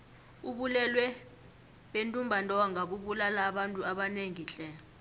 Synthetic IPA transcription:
uɓulɛlwɛ | ɓentʼumbʱantʼɔaŋʱaɓuɓulalaːɓantʼuaɓaneŋit͡ɬʼɛː

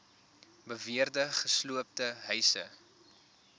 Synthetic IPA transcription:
bəviərdəχəsluəp̚təɦœɥsə̰

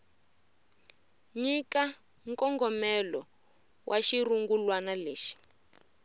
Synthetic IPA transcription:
ɲika | ŋkɔŋɡɔmɛlɔ | wʔaʃiruŋɡulwanaleːʃi̥

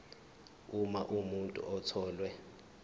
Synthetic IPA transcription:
umaʔumuntʼṵʔɔtʰɔːlwɛ

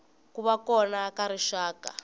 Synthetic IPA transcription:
kuβakɔnakaɾiʃaːka̰

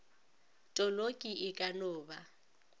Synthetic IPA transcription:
tʼɔlokʼiʔɪkʼanʊːba

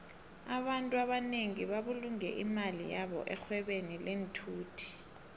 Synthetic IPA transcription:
aɓantʼuaɓaneŋiɓaɓuluŋɛ̰ʔimalḭjaɓɔ̰ʔɛxwɛɓenilentʰuːtʰi̥

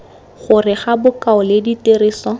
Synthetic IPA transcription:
χʊrɪχabʊkaʊlediteriːsɔ

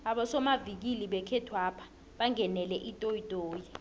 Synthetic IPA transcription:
aɓɔsɔmavik̬iliɓɛkʰɛtʰwapʰḁ | ɓaŋɛnɛlɛʔitʼoitʼoːji

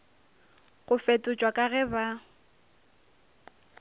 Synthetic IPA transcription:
ɣʊfetʼʊt͡ʃʼwakʼaɣɛba

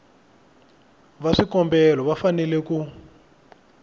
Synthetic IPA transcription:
βaʂikɔmbɛlɔβafanɛlɛku

